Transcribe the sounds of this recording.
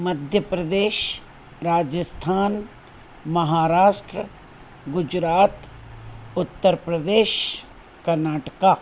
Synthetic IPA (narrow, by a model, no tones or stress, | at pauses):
mɐd̪ʱjəpɾəd̪eːʃ | ɾaːd͡ʒəst̪ʰaːn | mɐɦaːɾaːʃʈɾə | ɡʊd͡ʒɾaːt̪ | ʊt̪ːəɾpɾəd̪eːʃ | kɐɾnaːʈəkaː